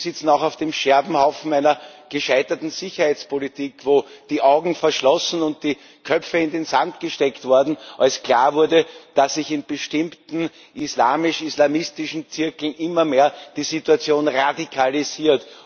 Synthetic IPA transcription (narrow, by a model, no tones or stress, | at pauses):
sɪt͡sn̩ɑʊxɑʊfd̥eːmʃɛɐbm̩haʊfn̩æɪnɐɡ̥əʃæɪtɐtn̩z̥ɪçɐhæɪt͡spʰolitʰiːkvoːd̥iːʔaʊɡŋ̩fɛɐʃlɔsn̩ʊnt̚d̥iː | kʰœp͡fəɪndenzantɡ̥əʃtɛktv̥ʊɐdn̩ʔalskl̥a̰ːɐvʊɐdəd̥asːɪçɪnb̥əʃtɪmtn̩ | ʔisla̰ːmɪʃislamɪstɪʃn̩t͡sɪɐkl̩nʔɪmɐmeːɐd̥iːzituat͡sjoːnʁadikʰaliziːɐt